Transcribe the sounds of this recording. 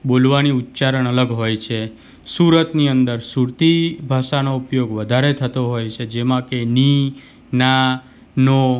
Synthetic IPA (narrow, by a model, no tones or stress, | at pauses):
ɓolʋaniut̪ːt͡ʃaɾəɳ̃ələɡɦojt͡ʃʰe | suɾət̪niənd̪əɾsuɾt̪ibʱaʃanoupjoɡʋəd̪ʱaɾet̪ʰət̪oɦojt͡ʃʰed͡ʒemãkeni | na | no